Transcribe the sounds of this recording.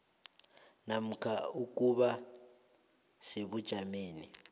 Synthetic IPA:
nam̩kʰauk̬ʼuβa | seβud̥ʒ̥ʱameːni

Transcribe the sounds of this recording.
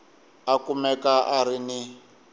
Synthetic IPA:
akumɛkaʔarini

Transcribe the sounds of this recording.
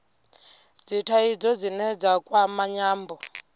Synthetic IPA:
d͡zitʰaid͡zɔd͡zinɛd͡zakʼwamaɲaːmbɔ

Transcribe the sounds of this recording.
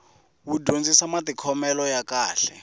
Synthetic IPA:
wudʱond͡zisamat̪ikʰɔmɛlɔjakaːɬɛ

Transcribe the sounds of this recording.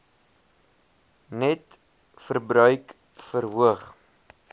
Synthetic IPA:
nɛt | fərbɾœɥk | fəɾɦuəχ

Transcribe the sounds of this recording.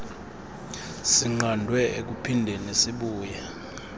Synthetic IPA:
siŋ͡ǃandʱwɛʔek̬upʰindʱɛnesiɓuːjɛ

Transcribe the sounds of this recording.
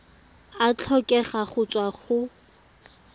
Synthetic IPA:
at͡ɬʰɔkʼɛχaχʊt͡sʼwaχʊ

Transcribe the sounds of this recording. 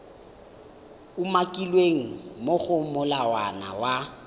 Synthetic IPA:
umakʼilweŋ̩moɣʊmʊlawana̰wa

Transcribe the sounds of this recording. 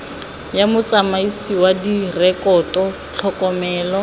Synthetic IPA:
jamʊt͡sʼamaisiwadirɛkʼɔtɔ | t͡ɬʰɔkʼɔmɛːlɔ

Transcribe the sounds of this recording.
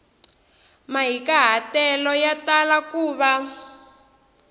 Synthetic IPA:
maɦikaɦatɛlɔjatalakuːβa

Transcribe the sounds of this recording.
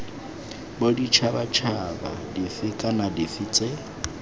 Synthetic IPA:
bodit͡ʃʰabat͡ʃʰaba̰difɪkʼanadifit͡sʼe

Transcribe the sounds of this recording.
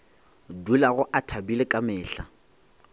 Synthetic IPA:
dulaɣʊʔatʰabilɪkʼamɪːɬa

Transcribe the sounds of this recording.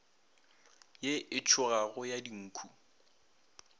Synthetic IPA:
jeʔɪt͡ʃʰʊɣaɣʊjadiŋ̩ːkʰu

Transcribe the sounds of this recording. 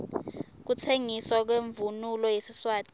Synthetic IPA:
k̬utʰeŋiswak̬weɱvunulɔjesiswaːtʼi̥

